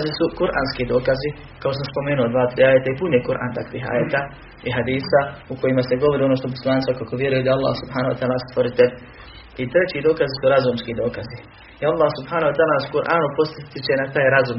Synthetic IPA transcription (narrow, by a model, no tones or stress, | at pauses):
zisukuɾʔa̰ːnskid̪o̞ːkazi | kakos̬amspo̞meːnuod̪ʋaːt̪ɾiːaːjet̪aipunekuɾʔa̰ːnt̪akʋiːɦa̰ːjet̪a | iɦad̪iːsauko̞jimase̞ɡo̞ʋo̞ɾio̞noʃt̪op̬oslˠaːnt̪akakoʋje̞ɾujed̪aalːa̰ːhsubhaːnohwa̰t̪aːlast̪ʋoɾit̪el | it̪ɾe̞t͡ɕid̪o̞ːkazisuɾazumskid̪o̞ːkazi | ialˠːaːhsubhaːnahwat̪aːlasukuɾʔaːnupo̞st̪t̪it͡ɕe̞nat̪aːjɾazum